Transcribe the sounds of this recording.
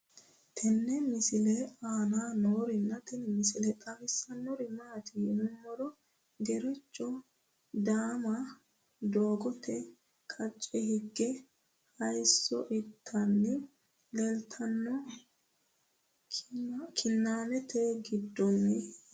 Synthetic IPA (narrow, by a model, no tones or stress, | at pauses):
t̪ʰɛnːɛmɪsɪlɛaːnaːnoːɾɪnːɐt̪ɛnmɪsɪlɛt̪ʼɐfɪsːɐnːɔɾɪmaːt̪ɪʊmːɔɾɔ | ɡɛɾɪt͡ʃːɔ | d̪aːmɐ | d̪oːɡɔt̪ʰɛ | kʼɐt͡ʃʼːɛhɪɡːɛ | hɐjsːɔʔɪt̪ʰːɐnːɪ | lɛlt̪ʰɐnːɔ | kʰɪnːaːnɛt̪ʰeɡɪd̪ːɔmːɪ